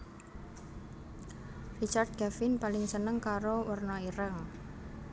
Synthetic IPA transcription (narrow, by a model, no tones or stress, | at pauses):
rit͡ʃard̪̚kɛfɪnpalɪŋsənəŋkaɾowərnɔiɾəŋ